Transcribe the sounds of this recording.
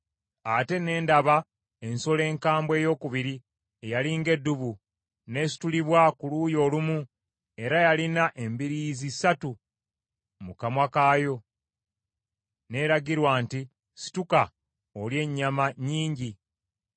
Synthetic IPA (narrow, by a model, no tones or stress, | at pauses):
ate̞ne̞ːndaβa | e̞nso̞le̞ːŋkaːmbwe̞ːjo̞ːkuβiɾi | ejaliːŋɡe̞dːuβu | ne̞ːsi̥tuliβwakuluːjo̞ːlumu | e̞ɾajalinaʔe̞mbiɾizisatu | mukamwakaːjo̞ | ne̞ɾaɡiɾwaːnti | si̥tuka | olje̞ɲːamaɲiːɲɟi